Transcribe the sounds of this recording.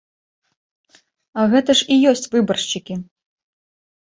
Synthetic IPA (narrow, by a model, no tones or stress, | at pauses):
ɐɣɛt̪ɐʂijɔsʲt͡sʲvɨbɐrʂt͡ʃikʲi